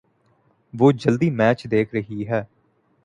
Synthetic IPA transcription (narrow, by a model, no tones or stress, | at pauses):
ʋoːd͡ʒəld̪iːmɛːt͡ʃd̪eːkʰɾəɦiːɦɛː